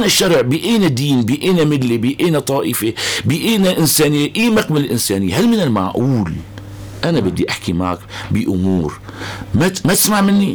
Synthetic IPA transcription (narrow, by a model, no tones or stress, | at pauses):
ʔnaʃːɑɾˤʕbiʔeːnad̪iːnbiʔeːnamɪlːibiʔeːnat̪ˤɑːʔɪfibiʔeːnaʔɪnsaːnɪjːʔiːmaqmalɪlʔɪnsaːnɪjːhalmɪnɪlma̰ʕʔuːl | ʔanabɪd̪ːiʔaħkima̰ːkbɪʔʊmuːɾ | mamat̪ɪ̥smaʕmɪnːi